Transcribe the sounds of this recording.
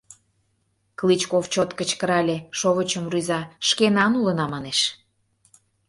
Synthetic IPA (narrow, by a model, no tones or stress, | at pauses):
klit͡ɕkoft͡ɕot̪kət͡ɕkəɾɑlʲeʃoβət͡ɕəmryzɑʃkenɑnulə̆nɑmɑneʃ